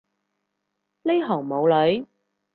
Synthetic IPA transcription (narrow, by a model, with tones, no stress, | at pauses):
le˥jɦɔː˨˩ŋmo˨˧wlɵ˨˧ɥ